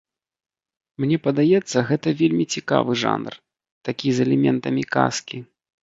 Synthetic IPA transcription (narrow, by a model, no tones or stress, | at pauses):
mnʲɛpɐd̪ajɛt̪sːɐɣɛt̪ɐvʲelʲmʲit͡sʲika̰vɨʐa̰nr | t̪akʲizɛlʲɛmʲɛn̪t̪ɐmʲika̰skʲi